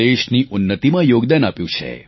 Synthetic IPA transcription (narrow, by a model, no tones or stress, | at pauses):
eʃniʔʊnːət̪imãjoɡd̪anapjũt͡ʃʰḛ